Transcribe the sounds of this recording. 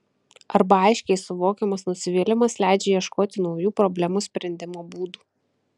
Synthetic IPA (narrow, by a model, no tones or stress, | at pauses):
ɐɾbɐɐɪʃʲkʲɛɪsʊʋoːkʲɛmɐsnʊsʲɪʋʲiːlʲɪmɐslʲæˑɪd͡ʒʲɛːjiɛʃkoːt̪ʲɪnɒʊjuːpɾɔbʲlʲɛmuːsʲpʲɾʲɛnʲd̪ʲɪmoːbuːd̪uː